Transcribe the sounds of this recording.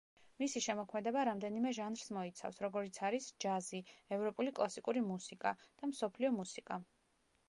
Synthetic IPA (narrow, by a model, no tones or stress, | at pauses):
misiʃɛmɔkʰmɛd̪ɛbaɾamd̪ɛnimɛʒanɾsmɔit̪sʰa̰fsɾɔɡɔɾit̪sʰaɾisd͡ʒaziɛvɾɔpʼulikʼlˠasikʼuɾimusikʼad̪̥amsɔpʰliɔmusikʼa